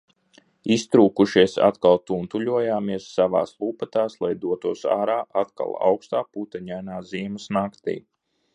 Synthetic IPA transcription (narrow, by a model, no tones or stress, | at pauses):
ist̪ɾuːkuʃiɛsa̰t̪kalˠt̪unt̪ulʲuɔjaːmiɛsːaʋa̰ːslˠuːpat̪aːslˠajd̪uɔt̪uɔsa̰ːɾaːʔat̪ka̰lˠa̰wkst̪aːput̪aɲajnaːziɛmɐsnakt̪ḭː